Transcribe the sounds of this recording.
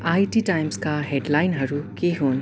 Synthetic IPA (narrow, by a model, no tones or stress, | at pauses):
ajʈiʈajmskaɦeɖlajnɦɐɾukeɦoːn